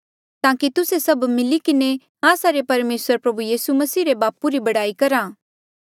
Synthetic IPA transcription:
t̪ãːkit̪ʊsesɐbmɪlikɪne | aːsaɾepɐɾmeːsəɾpɾɐbujiːsumɐsiːɾebaːpuɾibɐɽaːikɐɾaː

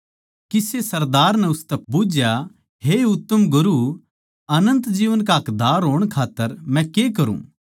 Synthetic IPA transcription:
kɪsesɐɾd̪aːɾnɛʊst̪ɛbʊd͡ʒja | ɦeʊt̪ːəmɡʊɾu | ɐnə̃nt̪d͡ʒiːʋənk̬aɦɐkd̪aːɾɦoːɽ̃kʰaːt̪ːəɾmɛ̃kek̬ɐɾṵ̃ː

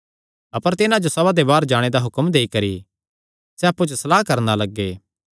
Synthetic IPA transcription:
ɐpəɾt̪ɪnãd͡ʒosɐβad̪ebaːɾd͡ʒaːɽ̃ed̪aɦʊkəmd̪eːikɐɾḭ | sɛɐpːut͡ʃsɐlaːkɐɾnalɐɡːeː

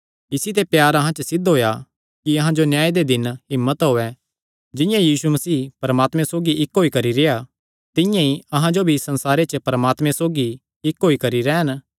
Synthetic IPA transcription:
ɪsit̪epjaːɾɐɦãt͡ʃəsɪd̪ʱɦoːja | kiɐɦãd͡ʒonjaːed̪ed̪ɪnɦɪmːət̪ɦoːɛ | d͡ʒɪ̃jãjiːsumɐsiːpɐɾəmaːt̪mɛ̃soːɡiʔɪkɦoːikɐɾiɾeja | t̪ɪ̃jãiɐɦãd͡ʒobʱisɐ̃nsaːɾet͡ʃəpɐɾəmaːt̪mɛ̃soːɡi | ɪkɦoːikɐɾiɾɛːən

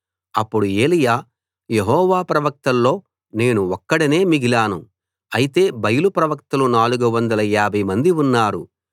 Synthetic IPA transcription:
ɐpːuɽue̞ːlijaː | je̞ɦɔːʋaːpɾɐʋɐk̚t̪ɐlːo̞ː | ne̞ːnuɔkːɐɽine̞ːmiɡilaːnu | ɐjit̪e̞ːbɐjulupɾɐʋɐk̚t̪ɐlunaːluɡɐʋɐnd̪ɐlɐjaːbʱɐjmɐnd̪iunːaːɾṵ

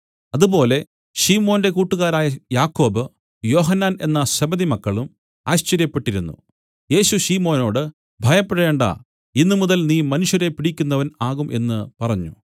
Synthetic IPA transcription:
ɐðubo̞ːle̞ | ɕiːmo̞ːnde̞kuːʈːuɣaːɾaːjɐjaːkːo̞ːbɨ | jo̞ːɦɐnːaːne̞nːɐɕɐbɐðimɐkːɐɭum | aːɕt͡ɕɐɾjɐpːe̞ʈːiɾunːṵ | je̞ːɕuɕiːmo̞ːno̞ːɽɨ | bʱɐjɐpːeɾɐeːɳɖa̰ | inːɨmuðɐlniːmɐnuʂjɐɾe̞piɽikʲːunːɐʋɐnaːɣumʔe̞̰nːɨpɐrɐɲːṵ

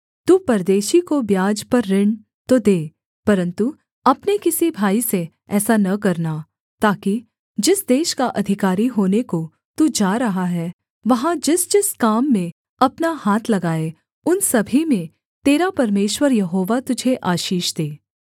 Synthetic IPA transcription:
t̪uːpɐɾd̪eːʃikobjaːd͡ʒpɐɾːɪɳ | t̪od̪eː | pɐɾə̃nt̪u | ɐpnekɪsibʱaːise | ɛːsanɐkɐɾna | t̪aːki | d͡ʒɪsd̪eːʃkaʔɐd̪ʱɪkaːɾiɦoːneko | t̪ud͡ʒaːɾɐɦaɦɛː | ʋɐɦãd͡ʒɪsd͡ʒɪskaːmːẽ | ɐpnahaːt̪ʰlɐɡaːe | ʊnsɐbʱimẽ | t̪eːɾapɐɾmeːʃwəɾjɐɦoːʋat̪ʊd͡ʒʱeʔaːʃiːʃd̪eː

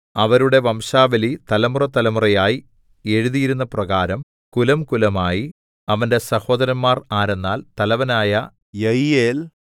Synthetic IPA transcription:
ɐʋɐɾuɽe̞ʋɐmʂaːʋɐlit̪ɐlɐmurɐt̪ːɐlɐmurɐjaːji | e̞ɻuðijiɾunːɐprɐɣaːɾɐm | kulɐmkulɐmaːji | ɐʋɐnde̞sɐho̞ːd̪ɐɾɐnmaːraːɾenːaːlt̪ɐlɐʋɐnaːjɐ | jɐjeːl

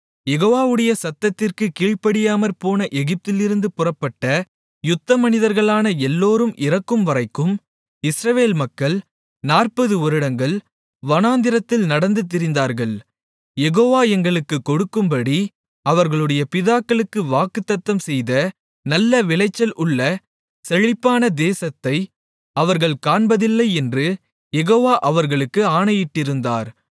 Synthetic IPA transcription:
jɛɣoːʋaːʋɯɽɐjɐsɐt̪ːɐt̪ːɪrkɯkiːɻpɐɽɪjaːmɐɾpoːnɐʔɛɣɪp̚t̪ɪlɪɾɯnd̪ɯpʊrɐpːɐʈːɐ | jʊt̪ːɐmɐnɪðɐɾɣɐɭaːnɐɛlːoːɾɯmʔɪrɐkːɯmʋɐrɐɪkːɯm | ɪsɾɐʋeːlmɐkːɐɭ | naːrpɐðɯɔɾɯɽɐŋɡɐɭ | ʋɐnaːnd̪ɪɾɐt̪ːɪlnɐɽɐnd̪ɯt̪̬ːɪɾɪnd̪aːɾɣɐɭ | jɛɣoːʋaːɛŋɡɐɭɯkːɯkːɔɽɯkːɯmpɐɽi | ɐʋɐɾɣɐɭɯɽɐjɐpɪðaːkːɐɭɯkːɯʋaːkɯt̪ːɐt̪ːɐmsɛjðɐ | nɐlːɐʋɪlɐɪt͡ʃːɐlʊɭːɐ | sɛɻɪpːaːnɐd̪eːsɐt̪ːɐɪ | ɐʋɐɾɣɐɭkaːɳbɐðɪlːɐɪɛndrɯ | jɛɣoːʋaːʔɐʋɐɾɣɐɭɯkːɯaːɳɐjɪʈːɪɾɯnd̪aːɾ

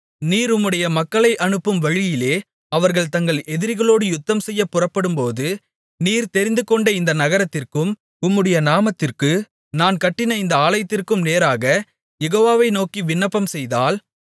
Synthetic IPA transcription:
niːɾʊmːɯɽɐjɐmɐkːɐɭɐɪʔɐɳɯpːɯmʋɐɻɪjɪleː | ɐʋɐɾɣɐɭt̪ɐŋɡɐɭɛðɪɾɣɐɭoːɽɯjʊt̪ːɐmsɛjːɐpːʊrɐpːɐɽɯmpoːðɯ | niːɾt̪ɛɾɪnd̪ɯkɔɳɖɐɪnd̪ɐnɐɣɐɾɐt̪ːɪrkɯm | ʊmːɯɽɐjɐnaːmɐt̪ːɪrkɯ | naːnkɐʈːɪnɐɪnd̪ɐaːlɐjɐt̪ːɪrkɯmneːɾaːɣɐ | jɛɣoːʋaːʋɐɪnoːkiʋɪnːɐpːɐmsɛjðaːl

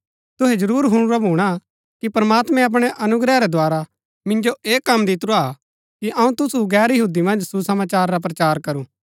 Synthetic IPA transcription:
t̪ʊɦɛd͡ʒɐɾuːɾɦʊɽ̃ʊɾabʱuːɽ̃a | kipɾɐmaːt̪mɛ̃ɐp̬ɽ̃ɛʔɐnʊɡɾɛɾɛd̪ʱaːɾa | mɪ̃nd͡ʒoʔeːkɐmd̪ɪt̪ɾoa | kiʔɐũt̪ʊsuɡɛːɾjɐɦuːd̪imɐ̃nd͡ʒsusɐmaːt͡ʃaːɾːap̬ɾɐt͡ʃaːɾkɐɾuː

